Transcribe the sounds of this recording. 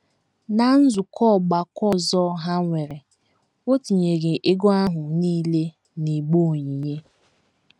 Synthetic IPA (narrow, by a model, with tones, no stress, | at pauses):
na˨n̩˦zʊ˨kɔ˦˨ɡ͡ba˨kɔ˦zɔ˦ɦa˦ŋʷe˨ɾe˨ | o˦ti˨ɲe˨ɡe˨ʔe˦ɡo˦a˦ɦʊ˨niː˦le˦ | ni˨ɡ͡bo˦˨ɲi˨ɲe˦